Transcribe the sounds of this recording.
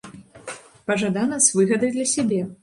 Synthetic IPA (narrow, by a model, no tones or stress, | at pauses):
pɐʐad̪anɐzvɨɣɐd̪ɐjd̪lʲɐsʲabʲɛ